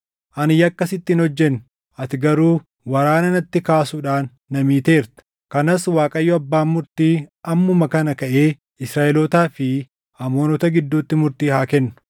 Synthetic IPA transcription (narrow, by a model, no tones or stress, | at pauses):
ʔɐnɪjɐkːɐsɪt̪ːɪnɔd͡ʒːɛnːʊ̥ | ɐt̪ɪɡɐɾuː | wɐɾaːnɐnɐt̪ːɪkaːsuᶑaːnːɐmiːt̪e̞ːɾt̪ɐ̥ | kɐnɐswaːkʼɐjːɔɐbːaːmːʊɾt̪iːɐmːʊmɐkɐnɐkɐʔe̞ː | ɪsɾaːʔɛloːt̪aːfɪ | ɐmoːnɔt̪ɐɡɪd̪ːuːt̪ːɪmʊɾt̪iːhaːkɛnːʊ̥